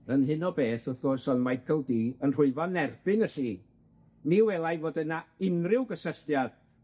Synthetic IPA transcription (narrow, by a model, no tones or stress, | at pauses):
ənɦɨnɔbeːθəθɡ̥osɔnmajkʰəlˠdiːənr̥ʊɨvɔnɛrbɪnəsiː | niwɛlˠajvoːdənaɪnrɪwɡəsəstjad̥